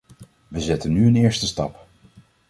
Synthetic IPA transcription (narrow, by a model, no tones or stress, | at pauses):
ʋəzɛtənːyənɪːɹstəstɑ̰p